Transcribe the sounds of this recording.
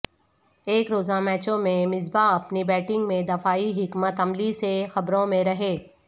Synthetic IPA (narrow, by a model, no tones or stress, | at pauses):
eːkɾoːzamɛːt͡ʃõmẽmɪzbaɐpnibɛːʈɪ̃ŋɡmẽd̪ɐfaːiɦɪkmət̪ɐmlisexɐbɾõmẽɾɐɦeː